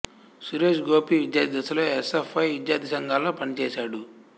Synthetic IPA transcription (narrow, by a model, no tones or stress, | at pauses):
suɾeːʃɡoːpiːʋid̪jaːd̪d̪ɐsɐloːesepʰːɐjʋid̪jaːɾt̪ʰisɐŋɡʱaːloːpɐnit͡ʃɛːʃaːɽu